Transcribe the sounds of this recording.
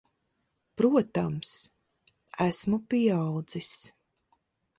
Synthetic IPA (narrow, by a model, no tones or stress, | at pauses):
pɾuɔt̪ams | æsmupiɛaɑwd̪z̥is